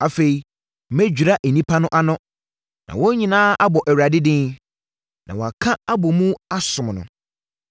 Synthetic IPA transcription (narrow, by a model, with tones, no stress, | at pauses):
a˨fe˨i˨˦ | mæ˦d͡ʑᶣu˨ɾa˦ʔe˨nĩ˦pʰa˦nʊ̃˦ʔa˦nʊ̃˦ | nã̰˨wɔ˦ɲĩ˨nãː˦a˦bɔ˨ʔɛ˨ɥɾa˨dɪ˦dɪ̃˦ | nã˨wa˨kʰã˦a˦bɔ˨mũ˦a˦sʊ̃˨mnʊ̰̃˨